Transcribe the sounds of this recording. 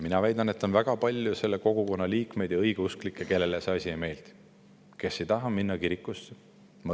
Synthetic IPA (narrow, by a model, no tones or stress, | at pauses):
minɑvæjd̪ɑne̞t̪ːˑo̞nvæɡ̥ɑpɑlʲjuse̞lːe̞ko̞ɡ̥uko̞nːɑliːkme̞jd̪jɑɤjɡ̥eusklikˑːeke̞lːelesɑsʲieme̞ːlt̪ | ke̞sːe̞jt̪ɑɦɑminːɑkiɾikːˑust̪ | mɑ